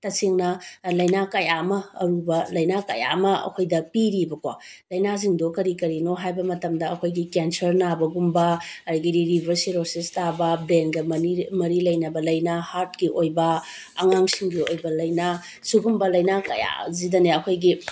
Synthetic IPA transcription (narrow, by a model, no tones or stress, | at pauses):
tɐseŋnɐlɐjnakɐjamɐɐ̰ɾubɐlɐjnakɐja̰mɐɐ̰kʰojdɐpiɾibɐkwa | lɐjnaz̬iŋdokɐɾikɐɾinoɦajbɐmɐtɐmdɐɐkʰojɡikensɐɾnabɐɡumbɐɐdɐɡiɾiɾibʱɐɾsiɾosistabɐbɾenɡɐmɐnimɐɾilɐjnɐbɐlɐjnahaɾt̚kiʔojbɐ | ɐŋaŋsiŋɡiojbɐlɐjna | suɡumbɐlɐjnakɐja̰zidɐneɐkʰojɡi